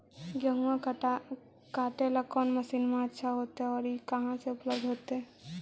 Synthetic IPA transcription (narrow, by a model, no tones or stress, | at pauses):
ɡjəɦũãk | kaːʈeləkːɔːnməsiːnmẽətːʃʰaɦoːt̪eɦɛɔːɾikɐɦãseʊpləbd̪ʱɦoːt̪eɦɛ̃